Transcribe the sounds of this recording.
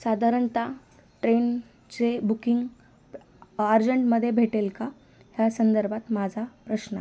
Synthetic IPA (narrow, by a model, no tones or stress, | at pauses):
sad̪ʱaɾəɳt̪a | ʈɾen | t͡sebukiŋɡ | aɾd͡ʑəɳʈməd̪ʱːjebʱeʈelka | ɦjasənd̪əɾbʱat̪mad͡zʱapɾəɕnə